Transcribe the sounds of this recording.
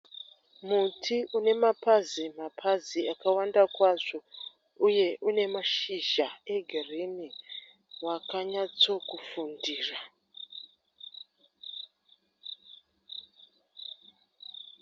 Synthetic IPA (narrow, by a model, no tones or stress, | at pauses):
mutʰiʔune̞mapazimapʰaziakawandakwaʐo | uje̞ʔune̞maʃiʒae̞ɡʱereni | wakaɲat͡so̞kufundiːra